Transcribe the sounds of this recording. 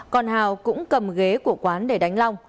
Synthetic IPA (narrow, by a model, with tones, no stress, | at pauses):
kɔ˨˩nhaː˨˩wkʊ̰˧˥ŋ͡mkə˨˩mɣe˨˦ku˧˩əkwaː˨˦nɗe˧˩ɗa˨˦jŋ̟la˧wŋ͡m